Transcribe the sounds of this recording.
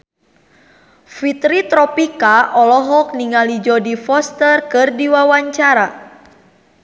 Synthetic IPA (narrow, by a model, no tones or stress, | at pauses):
fit̪ɾit̪ɾɔpikaʔɔlɔɦɔk̚niŋalid͡ʒɔdifɔst̪ərkɨrdiwawaɲt͡ʃaɾa